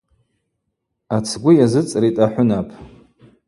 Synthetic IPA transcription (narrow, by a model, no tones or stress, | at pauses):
at͡sʰɡʷʊjazɨt͡sʼritʼaħʷʊnapʰʼ